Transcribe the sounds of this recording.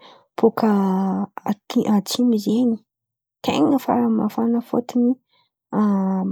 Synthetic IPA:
pʰokʰə | iʔat͡simizeni̥ | t̪ḛŋəfa̰ɾamafanəfot̪ini | a

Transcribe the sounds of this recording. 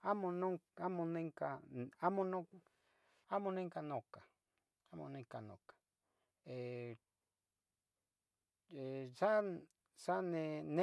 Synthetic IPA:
amõnõŋamõnẽŋkaamõnõ | amõnẽŋkanõka | amõ̰nẽkanõ̰kḁ | e | esa | sanẽnẽ

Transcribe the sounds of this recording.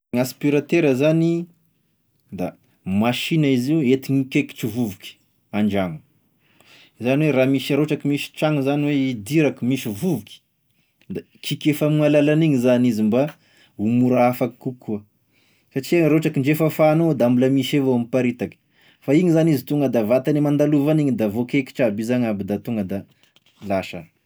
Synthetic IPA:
aspiɾat̪eɾəzani | d̪a̰ | maʃinaiziuet̪iɲikeki̥ʈ͡ʂivuvukʲi̥ | aɳɖ͡ʐaŋu̥ | zaniweɾaːmiʃaɾoʈ͡ʂakimisi̥ʈ͡ʂaŋuzaniweid̪iɾakimisivuvukʲi̥ | d̪a | kʰikʲefamualalaniŋizanizimba | umuɾaafaki̥kukʰːuə | saʈ͡ʂiɾoʈ͡ʂakiɳɖ͡ʐefəfaːnod̪aambulamiʃevoamipaɾit̪akə̥ | faiŋizanizit̪uŋɡəd̪avat̪animand̪aluvaniɲid̪avokeki̥ʈ͡ʂabizaɲabid̪at̪uŋɡəd̪a | laʃa̰n

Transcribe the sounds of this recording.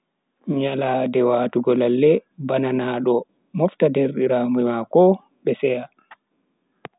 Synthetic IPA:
ɲaladɛwaːtuɡɔlalːɛbananaːɗɔ | mɔftadeɾɗiɾamumakɔ | ɓɛsɛja

